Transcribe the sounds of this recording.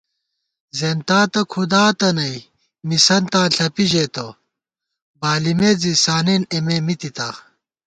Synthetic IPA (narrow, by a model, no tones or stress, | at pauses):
zent̪aːt̪ɐkʰud̪aːt̪ɐnɐj | misɐnt̪ãːɬʰɐpiʑet̪o | baːlimed͡zisaːnenememit̪it̪aː